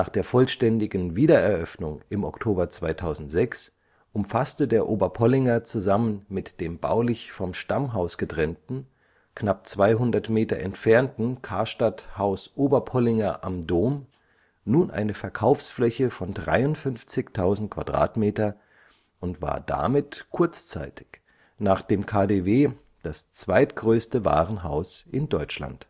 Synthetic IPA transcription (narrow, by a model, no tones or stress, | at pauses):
naːχd̥eːɐfɔlʃtɛndɪɡn̩viːdɐɛɐʔœfnʊŋʔɪmɔktʰoːbɐt͡sv̥aɪtʰaʊzn̩tz̥ɛks | ʔʊmfastədeːɐʔoːbɐpʰɔlɪŋɐt͡suzamənmɪtd̥eːmba̰ʊlɪçfɔmʃtamɦaʊsɡ̥ətʁ̥ɛntn̩ | knap̚t͡sv̥aɪɦʊndɐtmeːtɐʔɛ̰ntfɛɐntn̩kʰaɐʃtathaʊsʔoːbɐpʰɔlɪŋɐʔamdoːm | nuːnʔa̰ɪnəfɛɐkʰaʊfsflɛçəfɔndʁa̰ɪʊntfʏnft͡sɪçtʰaʊzn̩t̚kʰv̥a̰d̥ʁa̰ːtmeːtɐ | ʔʊntv̥a̰ːɐda̰mɪtkʰʊɐt͡st͡sa̰ɪtɪ̥ç | naːχd̥eːmkʰaːdeːveː | d̥ast͡sv̥aɪtɡ̥ʁøːstəva̰ːʁənɦa̰ʊsʔɪndɔʏt͡ʃla̰nt